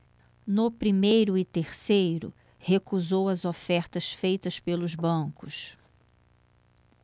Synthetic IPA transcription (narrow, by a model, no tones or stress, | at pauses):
nʊpɾimejɾʊɪt̪eɾsejɾʊ̰ | hekuzowɐzofɛɾt̪ɐsfejt̪ɐspelʊzbɐ̃kʊs